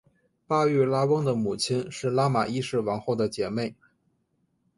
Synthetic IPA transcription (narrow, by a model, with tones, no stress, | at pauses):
pa˥y˥˩la˥wɤ˥ŋd̪ə˨mu˨˩t͡ɕʰi˥nʂɻ̩˥˩la˥ma˨˩i˥ʂɻ̩˥˩wɑ˧˥ŋxo˥˩ʊd̪ə˩t͡ɕjɛ˧˥me˥˩ɪ